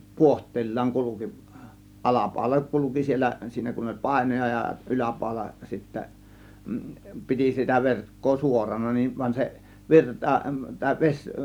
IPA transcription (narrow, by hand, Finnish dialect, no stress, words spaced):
puohtˑeːlːɑːŋ kuluki ʔɑlɑpɑˑo̝lɑ kuluki sielˑæ siːnæ kun olʲ pɑˑe̝nojɑ jɑ ʔylæpɑˑo̝lɑ sitːæ piti sitæ ʋerkːoː suorɑnɑ nin ʋɑnʲ se ʋirtɑ tɑˑe̝ ʋesʲ